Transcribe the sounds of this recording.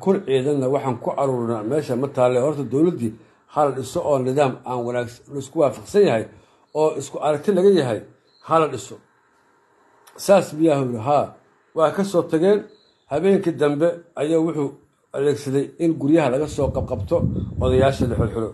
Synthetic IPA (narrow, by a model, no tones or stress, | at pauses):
kʰʊnʕiːðɐnːɐwɑħɑːŋkʰʊʕɑɾuːrnaːmɛːʃɐmɐt̪ʰaːlːɛhɔrt̪ʰɐd̪ɔwlɐd̪iː | hɐlɐɖɪsɔʔɔːnɪðaːmaːnwɑnaːɡslɐɪskʰʊwɑːfɑqsɐnjɐɦɛj | ɔːʔɪskʰʊʔɐɾɐk̚t̪ʰɪlɐɣɐjɐɦɛj | hɐlɐɖɪsɔ | saːsmɪjaːhwɾɪɦaː | wɑːkʰɐsɔːt̪ʰɐɣɛːn | hɐβɛːŋkʰɐd̪ɐmbɛɐjaːwʊħʊ | ɐðɛːɡsɐðɛjɪnɡʊɾjɐɦɐlɐɣɐsɔːqɑbqɑbt̪ʰɔʔɔðɐjaːʃɐlɐħɪlħɪlɔ